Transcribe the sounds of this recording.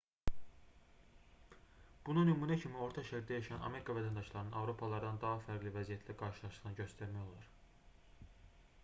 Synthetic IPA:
b̥ununymuːnæcʰimio̞ɾt̪ʰɑʃæcild̪æjɑʃɑnɑ̰me̞ɾikʰɑvæt̪ʰænd̪ɑʃlˠɑɾɯnɯnɑvɾo̞pʰɑlˠɑɾɯd̪ɑnd̪ɑɦɑfæɾɡʲlʲivæzijæt̪ʰlæɡɑɾʃɯlˠɑʃlɯ̥ʁnɯɟø̞st̪æɾmæjo̞lˠɑɾ

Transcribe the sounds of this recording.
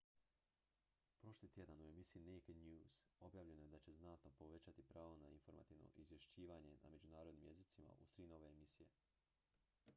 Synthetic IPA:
pɾo̞ʃlˠit̪ʲje̞d̪anue̞misiineked̪njuːz̥o̞bjaːʋʎe̞nojed̪at͡ɕe̞znat̪no̞po̞ʋe̞t͡ɕat̪ipɾaːʋonainfo̞ɾma̰t̪iːʋno̰ʔizʋje̞ʃt͡ɕiːʋaːɲe̞na̰me̞d͡ʑunaːɾod̪nimje̞zit̪sima̰ʔusɾino̞ʋe̞emisije̞

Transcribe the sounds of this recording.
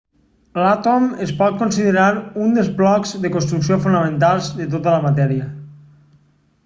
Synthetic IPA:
lat̪omespɔt̪̚konsiðeɾaɾund̪əlˠzβlɔkzðəkonst̪ɾuksiofunəmẽnt̪alˠzðət̪̬ot̪ələmat̪ɛɾiə

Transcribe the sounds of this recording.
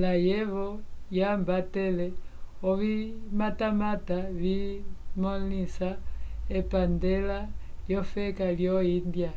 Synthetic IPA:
lajɛβɔjambatɛlɛɔβimatamataβimɔlisaɛpandɛla | ljɔfɛkaljɔindja

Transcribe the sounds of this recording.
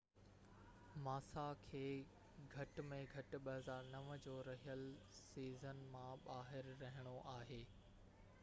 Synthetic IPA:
maːsakʰeː | ɡʱɐʈmẽɡʱɐʈ̆ɓɐɦəzaːɾnɐʋd͡ʑoːɾɐɦijəlsiːzənmãɓaːɦɪɾːɐɦɪɽ̃oʔaːɦeː

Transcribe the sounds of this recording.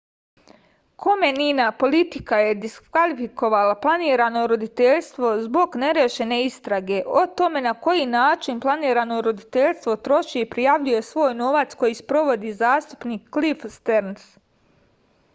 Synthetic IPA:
kʰo̞meninapo̞lit̪ikaje̞d̪iskkʋalifiko̞ʋalaplˠaniːɾano̞ɾo̞d̪it̪eʎst̪ʋo̞zbo̞ɡne̞ɾjeʃe̞ne̞ist̪ɾaɡe̞ʔo̞t̪o̞me̞nako̞jinaːt͡ʃinplˠaniːɾano̞ɾo̞d̪it̪e̞ʎʲst̪ʋo̞t̪ɾo̞ʃieipɾijaʋʎuje̞sʋo̞ːjno̞ʋat̪sko̞jispɾo̞ʋo̞d̪izaːst̪u̥pniːkːlifst̪eɾns

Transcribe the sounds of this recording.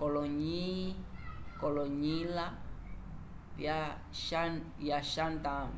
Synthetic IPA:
kolɔɲi | kɔloɲila | βja | ʃajaʃand̪am

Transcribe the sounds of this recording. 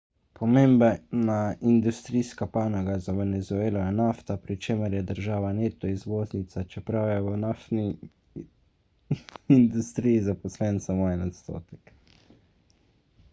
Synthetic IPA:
pʰɔmembɛnaind̪ust̪ɾiːskapaːnɔɡazaʋɛnɛzueːlɔjɛnaːft̪apɾit͡ʃeːməɾjɛd̪əɾʒaːʋaneːt̪ɔizʋoːznit̪sat͡ʃɛpɾawjɛwənaft̪ni | ind̪ust̪ɾijizapɔslɛnsamoːjɛnat̪st̪o̰ːt̪ɛ̥k

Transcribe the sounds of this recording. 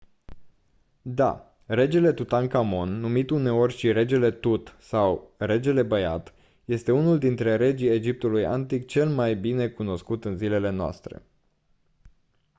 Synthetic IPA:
d̪a̰ | re̞d͡ʒele̞t̪ut̪aŋkamo̞nːumit̪une̞o̞rʲʃiɾe̞d͡ʒe̞le̞t̪ut̪sawre̞d͡ʒe̞le̞bəja̰t̪ | je̞st̪e̞unuld̪int̪ɾe̞ɾe̞d͡ʒijed͡ʒip̚t̪uluja̰nt̪ik̚t͡ʃe̞lmajbine̞kuno̞skut̪ɨnzile̞le̞noa̰st̪ɾe̞̰

